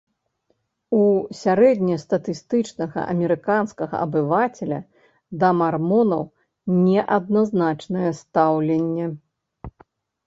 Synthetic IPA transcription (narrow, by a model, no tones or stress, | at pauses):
usʲaɾɛd̪ʲnʲɐst̪ɐt̪ɨst̪ɨt͡ʂnɐɣɐ̰ʔɐ̰mʲɛɾɨkanskɐɣɐ̰ʔɐ̰bɨvat͡sʲɛlʲɐ̰ | d̪ɐmarmɔnɐw | nʲɛʔɐd̪̚naznat͡ʂnɐjɛst̪awlʲɛnʲːɛ